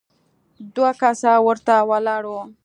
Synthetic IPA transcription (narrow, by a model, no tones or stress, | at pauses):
d̪wakasawəɾt̪awalɑɽo